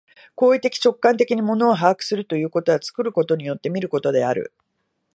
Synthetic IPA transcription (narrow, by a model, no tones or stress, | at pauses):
ko̞ːit̪e̞kʲi̥t͡ɕo̞kːãnt̪e̞kʲiɲ̟imo̞no̞ːɦaːkɯ̟̥sɨɾɯ̟t̪o̞jɯ̟ːko̞t̪o̞ɡat͡sɨ̥kɯ̟ɾɯ̟ko̞t̪o̞ɲ̟ijo̞t̪ːe̞mʲiɾɯ̟ko̞t̪o̞d̪e̞aɾɯ̟̰